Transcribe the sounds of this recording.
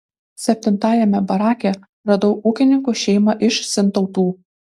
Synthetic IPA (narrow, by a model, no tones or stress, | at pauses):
sʲɛpʲt̪ʲɪnt̪ɑːjɛmʲɛbɐɾɑːkʲɛ | ɾɐd̪oʊʔuːkʲɪnʲɪŋkuʃʲɛɪmɐʔɪʃsʲɪnt̪ɒʊt̪uː